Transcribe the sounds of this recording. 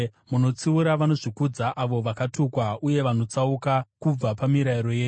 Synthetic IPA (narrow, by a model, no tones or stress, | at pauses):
muno̞t͡siuɾaʋano̞ʐikud͡zaʔaʋo̞ʋakatukwauje̞ʋano̞t͡saukakub͡vapamiɾaiɾo̞je̞ː